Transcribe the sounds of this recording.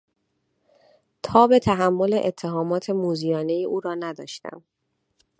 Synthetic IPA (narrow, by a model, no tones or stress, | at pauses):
t̪ʰɒːbe̞t̪ʰæɦæmːo̞le̞ʔet̪ʰːe̞ɦɒːmɒːt̪ʰe̞muːzijɒːne̞jiʔuːɾɒːnæd̪ɒ̰ːʃt̪æ̰m